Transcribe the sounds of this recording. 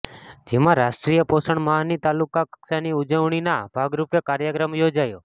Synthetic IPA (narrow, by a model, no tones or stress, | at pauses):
d͡ʒemãɾaʃʈɾijəposəɳməɦanit̪alukaksaniud͡ʒəʋɳinabʱaɡɾupekaɾjəkɾəmjod͡ʒajo